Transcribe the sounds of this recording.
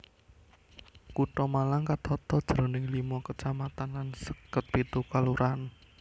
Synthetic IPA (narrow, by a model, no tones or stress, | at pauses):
kuʈɔmalaŋkat̪ʰɔt̪ɔd̥ʒ̥ɾɔ̤nɪŋlimɔkət͡ʃamat̪anlansə̥kːət̪̚pit̪ukaluɾʔan